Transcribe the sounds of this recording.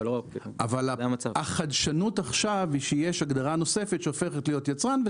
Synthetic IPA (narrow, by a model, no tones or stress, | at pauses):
lka̰valaamat͡saaχadʃanutaχʃaviʃejeʃaɡd̪aʁano̞se̞fet̪ʃeofe̞χetlejo̞t̪jat͡sʁanve